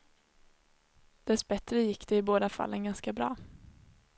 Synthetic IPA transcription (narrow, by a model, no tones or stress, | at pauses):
d̪̥ɛsbɛt̪ɾəjɪkːd̪̥ɛɪboːd̪afa̰lːənɡanskabɾɑ̰ː